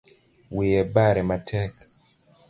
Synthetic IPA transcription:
wijɛbaɾɛmatʰɛk

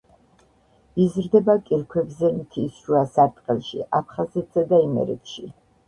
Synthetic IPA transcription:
izɾd̪ɛbakʼiɾkʰwɛbzɛmt̪ʰisʃuasaɾt̪ʼqʼɛlˠʃḭʔapʰχazɛt̪ʰzad̪aimɛ̰ɾɛ̰t̪ʰʃi

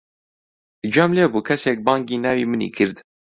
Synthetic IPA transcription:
d͡ʒamlɛbuːkʰɛsɛk̚bɑːŋɡiːnæːwiːmɨnḭːkʰɨɾd̪

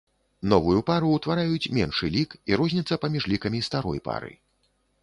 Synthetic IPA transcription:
nɔvujupaɾuːt̪vaɾajut͡sʲmʲɛnʂɨlʲikiɾɔzʲnʲit̪sːɐpamʲiʐlʲikɐmʲist̪aɾɔ̰jpa̰ɾɨ̰

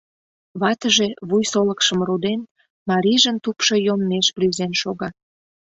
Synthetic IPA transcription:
βɑt̪əʒeβujsoləkʃəmrud̪en | mɑɾiʒənt̪upʃojomːeʃplyzenʃoɣɑ

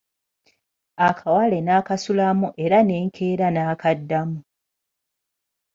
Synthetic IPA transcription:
akʰawale̞naːkasulamuʔe̞ɾane̞ːŋkʰeːɾanaːkadːamu

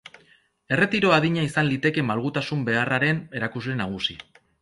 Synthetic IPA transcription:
e̞re̞t̪iɾo̞aðiɲaisanlit̪e̞ke̞malɣut̪asumbe̞araɾe̞ne̞ɾakuzle̞naɣ̞usi

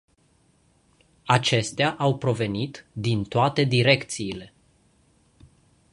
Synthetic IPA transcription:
at͡ʃe̞st̪eaʔawpɾo̞ve̞nit̪d̪int̪oat̪e̞d̪iɾe̞kt̪siːle̞

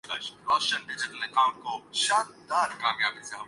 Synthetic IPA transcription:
lɐ̰ʃɾɐʃənɖɪd͡ʒɪʈəlɐkãʊ̃ɳʈ̚koʃãːnd̪aːɾkaːmjaːbiseɦɐm

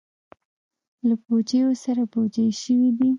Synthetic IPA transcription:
labod͡ʒejosaɾabod͡ʒajʃəwid̪i

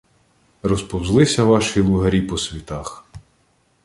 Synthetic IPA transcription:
rɔspɔwzlˠɪsʲɐʋɑʃilˠʊɦɐɾʲipɔsʲʋʲit̪ɑx

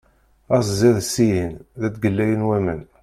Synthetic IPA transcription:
æsziðsːijinðæt͡s̪ɡəlːæjənwæmən

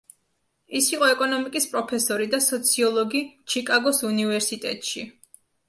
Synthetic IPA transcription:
isiqʼɔɛkʼɔnɔmikʼispʼɾɔpʰɛsɔɾid̪asɔt̪sʰiɔlˠɔɡit͡ʃʰikʼaɡɔsunivɛɾsit̪ʼɛ̰t̪ʼʃi

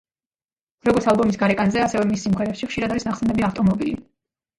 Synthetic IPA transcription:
ɾɔɡɔɾt̪ʰalˠbɔmisɡaɾɛkʼanzɛasɛvɛmisːimχɛɾɛpʃiχʃiɾad̪aɾisnaχsɛnd̪ɛbiaft̪ʼɔmɔbilḭ

